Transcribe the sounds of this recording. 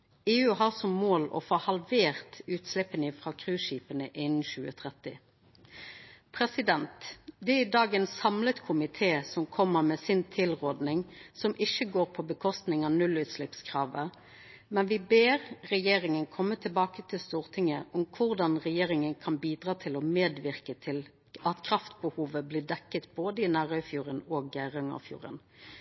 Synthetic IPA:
eːʉːɦɑːʁsɔmːoːlɔ̰foːhɑlʋeːʁt̪ʉːt̪slɪpːənɪfʁɑːkʰʁʉːʃiːpənəʔɪnn̩ɕʉːət̪ʰʁɛt̪ɪ | pʰʁɛsɪd̪ɛnt̪d̪ɛæɪd̪ɑːɡɛːnsɑmlət̪kʰʊmɪt̪ʰeːsɔmkʰɔmːəʁmeːsɪnt̪ʰɪlʁoːd̪nɪŋsɔmʔɪçəɡoːʁpʰɔbəkʰɔst̪nɪŋɑːnʉlʉːt̪slɪpskʰʁɑːʋə | mɛnʋɪbeːɾɾɛjeːɾɪŋənkʰɔmːət̪ʰɪlbɑːkət̪ʰɪlst̪uːʁt̪ʰɪŋːəʔʊmkʰʊʁd̪ɑnʁɛjeːʁɪŋənkʰɑnbiːd̪ʁɑːt̪ʰɪlɔmeːd̪ʋɪʁkət̪ʰɪl | ɑt̪kʰɾɑft̪bəhuːʋəblɪd̪ɛkːət̪boːd̪əɪnæːɾœfjuːʁənoːɡæɪʁəŋɑ̰fjṵːʁə̰n

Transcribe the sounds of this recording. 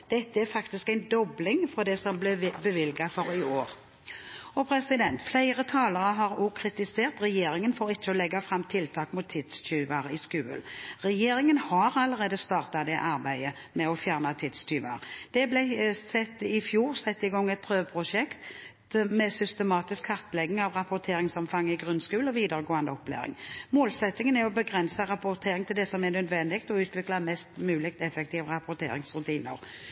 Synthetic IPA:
d̪̥ɛt̪ːəæɾfɑkt̪ɪskæɪnd̪ɔblɪŋfɔʁd̪ɛsɔmblɛbəʋɪlɡɑfɔɾɪoːɾ | ɔpʰɾɛsɪd̪ɛnt̪flæɪʁət̪ʰɑːləʁəɦɑʁʊkʰɾɪt̪ɪseːʁt̪ʁɛjeːɾɪŋənfoːʁɪt͡ʃːəɔlɛɡːɑfʁɑmt̪ʰɪlt̪ʰɑːkmʊt̪ʰːɪd̪̥st͡ʃyːʋɑʁəɪskʉːə̰lʁɛjeːɾɪŋənhɑɾɑləʁeːd̪əst̪ɑːʁt̪ɑd̪ɛʔɑʁbæɪə | mɛɔfjæʁnɑt̪ʰɪd̪styːʋɑ̰ʁd̪̥ɛblɛsɛt̪ːɪfjuːʁsɛt̪ːɪɡɔŋːɛt̪̚pʰʁøːʋəpʰɾʊʂɛkt̪ | mɛsʏst̪əmɑːt̪ɪskhɑʁt̪əlɛɡnɪŋɑʋʁɑpʊʁt̪ʰeːɾɪŋsɔmfɑŋːəɪɡʁʉnskʉːlɔʋiːd̪əɾəɡoːɑnd̪əɔpːlḛːɾɪ̰ŋmoːlsɛt̪ːɪŋənɛɾɔbəɡʁɛnsəɾɑpʊɾt̪ʰeːɾɪŋt̪ʰɪld̪ɛsɔmɛnœd̪ʋɛnd̪ɪkt̪ɔʉːt̪ʰʋɪklɑmɛst̪mʉːlɪkt̪ɛfɛkt̪ʰiːʋəʁɑpʊʁt̪ʰḛːɾɪŋsʁʉt̪ʰiːnə̰ɾ

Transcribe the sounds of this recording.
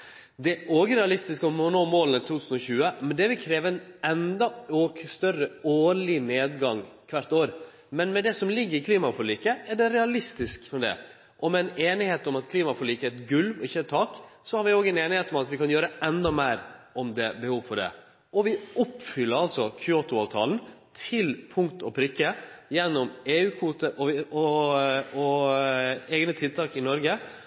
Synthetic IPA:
d̪ɛʔoːɡəɾɛɑlɪst̪ɪskɔmɔnoːmoːlənət̪ʰuːt̪ʰʉːsən̩ɔɕʉːəmɛnd̪ɛʋɪlkʰɾeːʋəɛɪnɛnd̪ɑoːkst̪œrəoːɭɪneːd̪ɡɑŋkʰʋæɾt̪oːɾ | mɛnmɛd̪ɛsɔmlɪɡːəɾɪkʰliːmɑfɔliːkəɛɖɛɾɛɑlɪst̪ɪskfɔd̪ɛ̰ | ʔɔmɛɛneːnɪheːt̪ɔmɑt̪kʰliːmɑfɔɭiːkəɛt̪ɡʉlʋɔɪçːəɛt̪ʰːɑːksɔhɑɾʋɪoːɡəɛneːnɪheːt̪ɔmɑt̪ʋɪkʰɑnjøːɾəɛnd̪ɑmæɪɾʔɔmd̪ɛbəhuːʋfɔɖɛ̰ | ʔɔʋɪɔpːfʏlːəɾɑlsɔkʰʏoːt̪ʊɑːʋt̪ʰɑ̰ːln̩t̪ʰɪlpʰʊŋkt̪ɔpʰɾʏkːəjɛnːɔmeːʉːkʰʋuːt̪əʔɔɔ | ɔ | ɛːɡnət̪ʰɪlt̪ʰɑːkɪnɔɾɡə

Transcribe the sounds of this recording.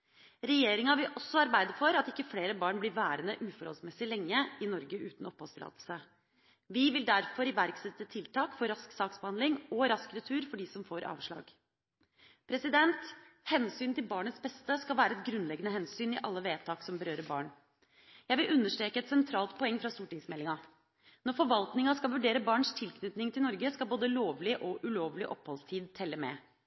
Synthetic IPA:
ɾɛjeːɾɪŋɑʋɪlʔɔsːɔɑɾbæɪd̪əfɔɾɑt̪ɪkːəfleːɾəbɑːɳblɪɾʋæːɾənəʔʉːfɔɾɔ̰lsmɛsɪlɛŋːəɪnɔɾɡəʔʉːt̪n̩ɔphɔst̪ɾɑ̰ːd̪l̩sə | ʋɪʋɪld̪æɾfɔɾɪʋæɾksɛt̪ːət̪ʰɪlt̪ʰɑːkfɔɾɑsksɑːksbəhɑnlɪŋɔɾɑskəɾət̪ʰʉːɾfɔɖiːsɔmfoːɾʔɑ̰ːʋʂɭɑ̰ːɡ | pʰɾɛsɪd̪ɛnt̪hɛnsyːnt̪ʰɪlbɑːɳət̪sbɛst̪əskɑlʋæːɾəɛt̪ɡɾʉnlɛɡənəhɛnsyːnɪʔɑlːəʋeːt̪ʰɑːksɔmbəɾøːɾəbɑ̰ːɳ | jæɪʋɪlʔʉnːəʂʈɾeːkəɛt̪sɛnt̪ʰɾɑːlt̪pʰɔɛŋːfɾɑst̪uːʈɪŋsmɛlːɪŋɑ | nɔɾfɔɾʋɑlt̪nɪŋɑskɑlʋʉɖeːɾəbɑːɳʂt̪ʰɪlkʰnʏt̪nɪŋt̪ʰɪlnɔɾɡəskɑlboːd̪əloːʋlɪʔɔʔʉloːʋlɪʔɔphɔlst̪ʰiːd̪t̪ʰɛlːəmɛ̰

